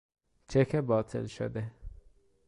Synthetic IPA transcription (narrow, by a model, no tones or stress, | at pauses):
t͡ʃʰekʰɛbɑːt̪ʰḭlʃo̰d̪ɛ